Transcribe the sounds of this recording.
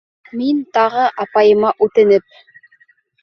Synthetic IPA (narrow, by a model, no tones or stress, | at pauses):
mint̪ɑʁɤʔɑpɑjɤ̆mɑʔʉt̪ɘ̆nɘp̚